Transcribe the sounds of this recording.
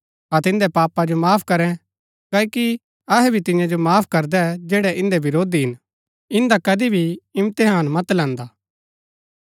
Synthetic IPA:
at̪ɪ̃nd̪ɛpaːpad͡ʒomaːpʰkɐɾɛ̃ | kaːiki | ɐɦɛbʱit̪ɪ̃jãd͡ʒomaːpʰkɐɾd̪ɛd͡ʒɛːɽɛʔɪ̃nd̪ebɪɾoːd̪iɦɪn | ɪ̃nd̪akɐd̪ibʱiɪmt̪eɦaːnmɐt̪lɛ̃ːnd̪aː

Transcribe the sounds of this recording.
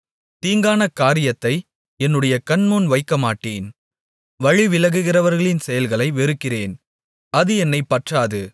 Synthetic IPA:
t̪iːŋɡaːnɐkaːɾɪjɐt̪ːɐɪ | ɛnːɯɽɐjɐkɐnmoːnʋɐɪkːɐmaːʈːeːn | ʋɐɻiʋɪlɐɣɯɣɪrɐʋɐɾɣɐɭɪnsɛjɐlɣɐɭɐɪʋɛɾɯkːɪreːn | ɐðɯɛnːɐɪpːɐʈraːðɯ

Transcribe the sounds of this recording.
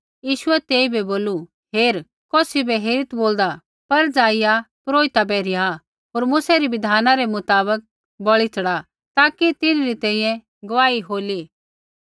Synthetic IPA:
jiːʃʊɛt̪eːibɛboːlu | ɦeːɾ | kɔːsibɛɦeːɾɪt̪boːld̪a | pɐɾd͡zaːɪjapɾoːɪt̪abɛːɾɪja | ɦoːɾmʊːsɛɾibɪd̪ʱaːnaɾemʊt̪aːbək̚ | bɐɭit͡sɐɽa | t̪aːkit̪ɪnɾit̪ɛ̃ːĩjɛ̃ | ɡɐʋaːiɦoːli

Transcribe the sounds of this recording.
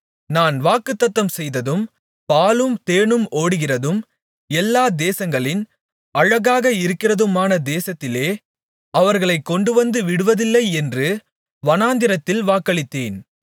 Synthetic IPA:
naːnʋaːkːɯt̪ːɐt̪ːɐmsɛjðɐðɯm | paːlɯmt̪eːɳɯmoːɽɯɣɪrɐðɯm | ɛlːaːd̪eːsɐŋɡɐɭɪn | ɐɻɐɣaːɣɐɪɾɯkːɪrɐðɯmaːnɐd̪eːsɐt̪ːɪleː | ɐʋɐɾɣɐɭɐɪkːɔɳɖɯʋɐnd̪ɯʋɪɽɯʋɐðɪlːɐɪɛndrɯ | ʋɐnaːnd̪ɪɾɐt̪ːɪlʋaːkːɐɭɪt̪ːeːn

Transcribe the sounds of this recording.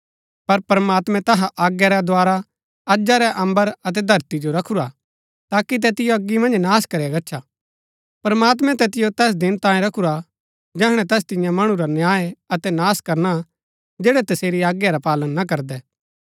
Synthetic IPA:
pɐɾpɾmaːt̪mɛ̃t̪ɐɦaʔaːɡjaɾɛd̪waːɾa | ɐd͡ʒaɾɛʔɐ̃mbəɾɐt̪̬ɛd̪ʱɐɾt̪id͡ʒoɾɐkʰuɾa | t̪aːkit̪̬ɛt̪ɪjoɐɡːimɐ̃nd͡ʒnaːskɐɾjaɡɐtːʃʰa | pɐɾɐmaːt̪̬mɛ̃t̪ɛt̪ɪjot̪ɛːs̬d̪ɪnt̪ãːẽɾɐkʰuɾa | d͡ʒɛːɦɽ̃ɛ̃t̪ɛːs̬t̪ɪ̃jãmɐɽ̃ũɾanjaːeɐt̪ɛnaːskɐɾna | d͡ʒɛːɽɛt̪ɐseːɾiaːɡjaɾapaːlənːɐk̬ɐɾd̪ɛː

